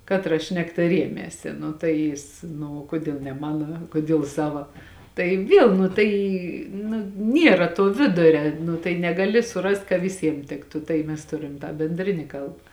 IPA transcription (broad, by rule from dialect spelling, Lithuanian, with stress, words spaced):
ˈkɑːtrɐ ˈʃʲnʲæːktɐ ˈrʲiɛmʲeːsʲɪ ˈnʊ tɐɪ ˈjɪs ˈnʊ oː ˈkoːdʲiɛlˠ nʲɛ ˈmɑːnoː ˈkoːdʲiɛlˠ ˈsɑːʋɐ ˈtɐɪ ˈʋʲiɛlˠ nʊ ˈtɐɪ nʊ ˈnʲiɛrɐ tuɔ ˈʋʲɪdʊrʲɛ ˈnʊ tɐɪ nʲɛɡɐˈlʲɪ sʊˈrɐst kɐ ʋʲɪˈsʲiɛm ˈtʲɪktʊ tɐɪ ˈmʲɛs ˈtʊrʲɪm tɑː bʲɛnʲˈdʲrʲɪnʲɪ ˈkɐlˠp